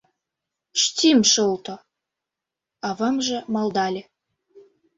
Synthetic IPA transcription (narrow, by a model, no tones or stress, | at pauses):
ʃt̪ʲimʃɤlt̪o | ɑβɤmʒĕmɑld̪ɑlʲe